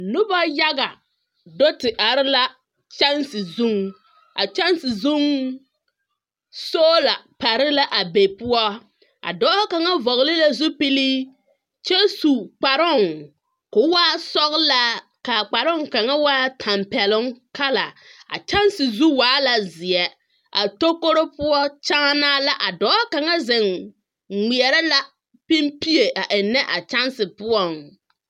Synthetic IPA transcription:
nʊ˦ba˦ja˦ɡa˨ | do˦tɪ˨ʔa˨ɾɪ˦la˦ | t͡ʃa˦nsɪ˨zu˦ŋ | a̰˨t͡ʃa˦n˦sɪ˨zʊ˦ŋ | soː˦la˨pa˨ɾɪ˦la˦ʔa˨be˨pʊ˦ɔ˦ | a̰˨dɔː˦ha˦ka˨ŋa˦vɔ˨ɣlɪ˦la˦zʊ˦pɪ˦liː˦ | t͡ʃɛ˦su˨k͡pa˨ɾʊ˦˨ŋ | kʊ˨˦waː˦sɔ˦ɣla˦ | ka˨k͡pa˨ɾʊ˦ŋka˨ŋa˦waː˦tʰa˨mpɛ˨lʊ˦ŋka˦la̰˨a̰˨t͡ʃa˦nsɪ˨zu˦waː˨˦la˨zɪ˨ɛ˨ | a˨to˦ko˦ɾo˦pʊ˦ɔ˦t͡ʃa˦ŋa˦naː˦la˦ʔa˨dɔː˨˦ka˨ŋa˦zɪ˨ŋ | ŋi˨ɛ˨ɾɛ˦la˦ | pi˦mpi˦e˨ʔa˨ʔɪ˨nːɛ˦ʔa˨t͡ʃa˦nsɪ˨pʊ˦ɔ˨ŋ

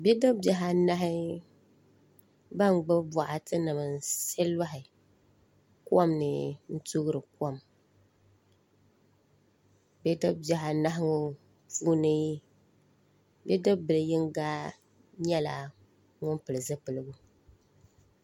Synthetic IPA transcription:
bɛ˦dɨ˦bja˨ɦa˨na˦ɦɪ˦ | ba˦ŋɡ͡bɨ˦ba˨ʔa˨tʰɨ˦nɨ˨m˨sɛ˦la˦ɦɪ˨ | kwɔ˦mnɨ˨n̩˦tu˦ɣɨ˦ɾɨ˨kɔ˦˨m | bɛ˦dɨ˦bja˨ɦa˨na˦ɦɪ˦ŋʊ˨ | puː˦nɨ˦ | bɛ˦dɨ˦bɨ˨lɨ˨jɪ˦ŋɡa˦ | ɲɛ˦la˨ | ŋʊ˦npɨ˨lɨ˨zɨ˦pɨ˨lɨ˦ɡʊ˦

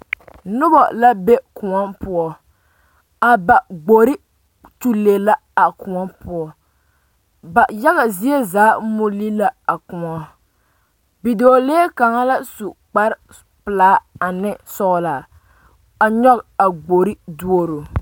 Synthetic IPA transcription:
nʊ˦bɔ̰˨la˦be˦kʊ˨ŋɔ˦npʊ˦ɔ˦ | a˨ba˨ɡ͡bo˨ɾi˦ | tu˦le˨la˦ | a˨kʊ˨ŋɔ˦pʊ˦ɔ˦ | ba˨ja˦ɣa˨zi˦e˦zaː˨˦mʊ˦li˦la˦a˨kʊ˨ŋɔ˦ | bi˨doː˨leː˦ka˨ŋa˦la˦su˨k͡pa˦ɾ | pɨ˨laː˦a˨nɪ˦sɔ˦ɣla˨ | a˨ɲɔ˦ka˨ɡ͡bo˨ɾi˦du˦o˦ɾo˨

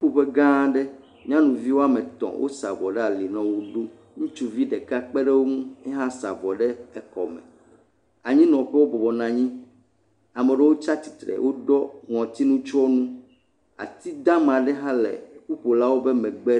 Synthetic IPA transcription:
u˦ɸo˨ɸe˦ɡã˦ɖɛ˦ | mĩ˦ã˦nũ˨vi˦wo˦a˦mɛ̃˨t̪ɔ̰̃˨wʔo̰˦sa̰˨bɔ˨ɖɛ˦a˨li˨nã˨wo˦ɖo˦ | ŋũ˦t͡ʃu˦vi˦ɖɛ˨ka˦k͡pe˦ɖe˦wo˦ŋũ˦ɛ˦ɦã˦sa̰˨bɔ˨ɖɛ˦ɛ˨kɔ̰˨mɛ̰̃˨ | a˨ɲĩ˦nɔ̃˨ɸɛ˦wo˦bɔ˨bɔ˨nã˨ɲĩ˦ | a˨mɛ̃˨ɖɛ˦wo˦t͡ʃa˦t̪i̥˨t̪ɾɛ̰˨wʔo˦ɖɔ˦ŋɔ̃˨t̪i˦nũ˦t͡ʃɔ˦nũ˦ | a̰˨t̪i˦d̪ã˦mã˨ɖɛ˦ɦã˦lḛ˨ku˦ɸo˨la˦wo˦be˦mɛ̃˨ɡ͡bɛ˦

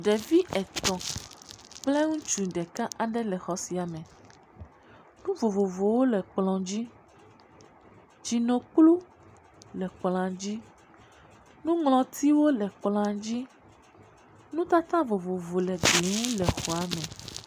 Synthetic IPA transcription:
ɖɛ˨vi˦ʔɛ˨t̪ɔ̃˨ | k͡ple˦ŋũ˦t͡ʃu˨ɖɛ˨ka˦ʔa˨ɖɛ˦lɛ˨xɔ˨˦si˨a˨mɛ̃˨ | nũ˦vo˨vo˨vo˨wo˦lɛ˨k͡plɔ̃˨d͡ʑi˦ | d͡ʒi˨nõ˨k͡plu˦ | lɛ˨k͡pl̃ã˨d͡ʑi˦ | nũ˦ŋlɔ̃˨t̪i˦wo˦lɛ˨k͡plɔ̃˨a˨d͡ʑi˦ | nũ˦t̪a˦t̪ã˦vo˨vo˨vo˨lɛ˨bi˨˦ŋũ˦lɛ˨xo˨a˨˦mɛ̃˨

